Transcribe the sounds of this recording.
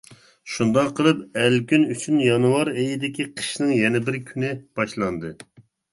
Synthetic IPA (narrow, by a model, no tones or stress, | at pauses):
ʃund̪ɑqʰːəlˠɨpɛlkʲynyt͡ʃʰynjɑnwɑɾejid̪ɪkʲʰiqʰə̥ʃnɨŋjɛnɛbɪɾkʲʰynɪb̥ɑʃlˠɑnd̪ɨ